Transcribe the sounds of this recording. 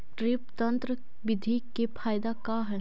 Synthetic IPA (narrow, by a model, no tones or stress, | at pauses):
ʈɾɪpt̪ɐ̃nt̪ɾə | ʋɪd̪ʱikepʰaːjd̪akaːɦəɳ